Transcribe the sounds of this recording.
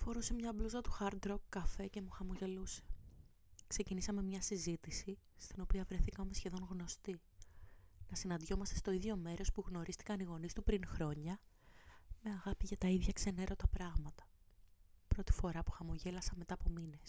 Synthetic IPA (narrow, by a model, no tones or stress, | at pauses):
fo̞ɾuse̞mɲɐbluzɐt̪u̥xɐɾd̪ɾokːɐfe̞ce̞muxɐmo̞ʝe̞luse̥ | kse̞cinisɐme̞mɲɐsizit̪isi | st̪ino̞piɐvɾe̞θikɐomesçe̞ðo̞nɣno̞st̪i | nɐsinɐnd̪ʝo̞mɐst̪e̞st̪o̞iðʝo̞me̞ɾo̞spuɣno̞ɾʔist̪i̥kɐniɣo̞nist̪upɾinxɾo̞ɲɐ | me̞ɐɣɐpiʝɐt̪ɐiðʝɐkse̞ne̞ɾo̞t̪ɐpɾɐɣmɐt̪ɐ̥ | pɾo̞t̪i̥fo̞ɾɐpu̥xɐmo̞ʝe̞lɐsɐnme̞t̪ɐːpo̞mine̞s